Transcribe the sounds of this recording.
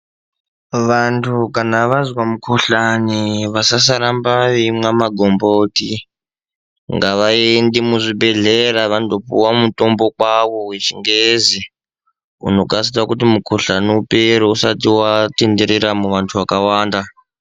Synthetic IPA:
ʋantʰukanaʋazwamukʰoɬaniʋasasaɾambaimwamaɡʱomboti | ŋɡaʋaendimuʐibe̞ɮeɾaʋandopṵwamutombokwaʋowet͡ʃiŋɡezi | ṵno̞kas̬itakutimukʰoɬaniupeɾousatiwatendeɾiɾamuʋantʰuʋakawaːnda

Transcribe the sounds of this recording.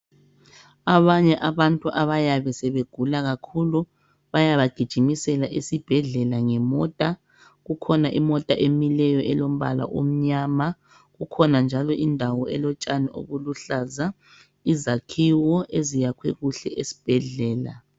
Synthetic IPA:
aβaɲɛʔaβantʼuʔaβajaβɛsɛβeɡ̥ʱulaɣakʰulu | βajaβaɡ̥ʱid̥ʒ̥ʱimisɛlaʔesib̥ʱɛɮɛlaŋɛmɔtʼa | ɣukʰɔnaʔimɔtʼaʔemilɛjɔʔɛlom̩βa̰la̰ʔom̩ɲama | ɣukʰɔnand͡ʒʱalɔʔindʱawɔɛlɔt͡ʃʼaniʔo̰ɣuluɬaza | izakʰiwɔʔezijakʰwɛɣuɬɛʔesi̥b̥ʱɛɮɛːla̰

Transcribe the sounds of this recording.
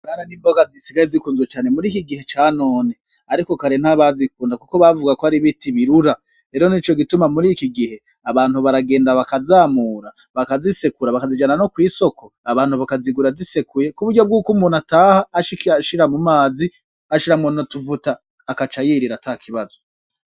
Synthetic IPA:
ɡaːnaniːmboɡazisiɡajezikuːnzwet͡ʃaːne̞muɾiːkiɡihe̞t͡ʃaːno̞ːne | aɾiko̞kaɾen̥haβazikuːndakuko̞βavuɡakoaɾiβitiβiɾuɾa | ɾe̞ːɾo̞nit͡ʃo̞ɡitumamuɾikiɡihe̞ | aβaːn̥huβaɾaɡe̞ːndaβakazaːmuːɾa | βakazisekuɾaβakazid͡ʒananokwiːso̞kʰo̞aβaːnhuβakaziɡuɾazisekuje̞kuβuɾɟo̞b̚ɡuːkumunataːhaːʃaʃiɾamumaːzi | aʃiɾamonotuvutaː | kat͡ʃajiːɾiɾatakʰiβazo

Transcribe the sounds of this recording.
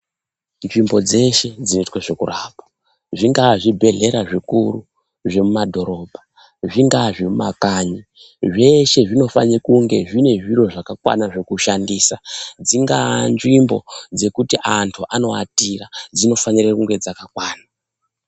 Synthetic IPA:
nʐimbo̞d͡ze̞ʃe̞d͡zinoitwaʐekurapḁ | ʐiŋɡaʐibʱe̞ɮe̞ɾaʐikuru | ʐe̞mumadʱo̞ɾo̞ːbʱa | ʐiŋɡaʐemuma̰kaːɲi | ʐe̞ʃe̞ʐino̞faɲikuŋɡe̞ʐine̞ʐiro̞ʐakakwa̰naʐekuʃandiːsad͡ziŋɡa̰nʐimbo̞̰d͡ze̞kutiʔantʰuʔano̞a̰tirad͡zino̞faɲirekuŋɡe̞d͡zakakwaːna

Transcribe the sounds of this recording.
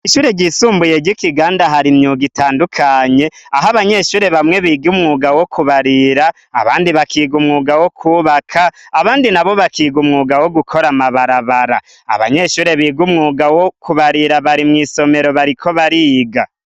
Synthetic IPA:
iʃuːɾe̞ɟiːsuːmbuje̞ɟikiɡaːndaɦaɾimɲuːɡitaːndukʰaɲe̞aɦaβaɲe̞ʃuːɾe̞βamŋe̞βiːɡumŋuːɡawokuβaɾiɾa̰ː | βa̰ːndiβakʰiːɡumŋuːɡawo̞kʰuβakʰaːβaːndinaβo̞βakiːɡumŋuːɡawo̞ɡukʰoɾamaβaɾaβaɾa̰ | a̰βa̰ɲe̞ʃuːɾe̞βiːɡumŋuːɡawokʰuβaɾiɾaβaɾimŋiːso̞me̞ɾo̞βaɾikʰo̞βaɾiːɡa

